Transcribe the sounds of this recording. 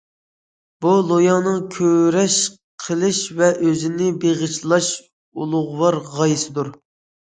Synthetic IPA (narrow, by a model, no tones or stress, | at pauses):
b̥ulˠojɑnɨŋkʲʰøɾɛʃ | qʰəlˠɪʃvɛʔøzɪnɪbeʁət͡ʃʰlˠɑʃ | ulˠʊʁwɑɾʁɑjɨsɨd̪uɾ